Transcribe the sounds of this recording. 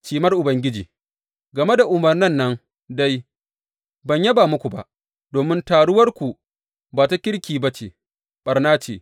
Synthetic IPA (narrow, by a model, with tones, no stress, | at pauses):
t͡ʃiː˨mɐ˦rʔʊ˨bɐ˨ŋɡʲɪ˦d͡ʒḭː˨ | ɡɐ˨me˦da˨ʔʊ˨mɐ˨rnɐ˦nːɐ˦ŋ | da˦j | bɐ˨ɲjɐ˦baː˨mʊ˦kʷu˨ba̰˨ʔ | doː˨mɪ˦ntaː˨ɽʊ˦wɐ˦rkʷu˨ | baː˨ta˦kʲɪ˦ɽkʲiː˨ba˦t͡ʃḛː˨ | ɓɐ˨rnaː˦t͡ʃḛː˨